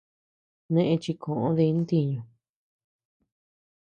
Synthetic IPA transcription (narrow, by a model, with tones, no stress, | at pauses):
nẽ˦ʔẽ˧t͡ʃi˧kʰõ˨ʔõ̰˦ði˧˦nt̪i˧ɲũ˧